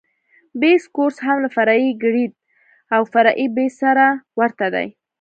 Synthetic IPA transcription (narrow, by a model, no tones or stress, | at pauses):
beskoɾsɦamlafaɾaiɡɽid̪̚ | awfaɾaʔibesaɾawəɾt̪ad̪a̰j